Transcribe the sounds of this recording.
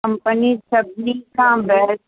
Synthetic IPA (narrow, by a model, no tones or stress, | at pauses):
ɐmpənisɐbʱnikʰãːbɛɦs